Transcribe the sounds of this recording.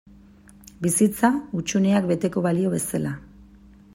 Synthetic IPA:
bisit͡saut͡ʃune̞akbe̞t̪eko̞βalio̞βe̞sala

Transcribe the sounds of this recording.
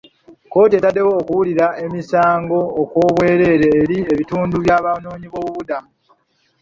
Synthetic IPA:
ko̞ːtietade̞woːkuwuliɾae̞misaːŋɡo̞ːkwo̞ːβwe̞ːɾe̞ːɾe̞ːɾie̞βituːnduβjaːβano̞ːɲiβo̞ːβuβuda

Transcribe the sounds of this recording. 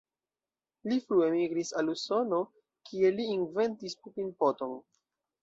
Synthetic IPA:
liflue̞miɡɾisaluso̞no̞ | kʰie̞liːnve̞ntispupinpo̞ton

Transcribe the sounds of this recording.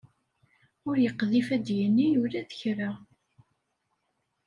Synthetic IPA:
ʊɾjəqːðifæd̪jənːijulæðəçɾə

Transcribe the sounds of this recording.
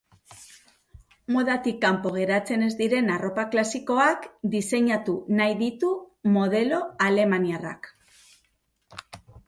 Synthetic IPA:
moðat̪ikampo̞ɣ̞e̞ɾat͡se̞ne̞zd̪iɾe̞naro̞paklasiko̞akd̪ise̞ɲat̪unajðit̪umo̞ðe̞lo̞ale̞maniara̰k

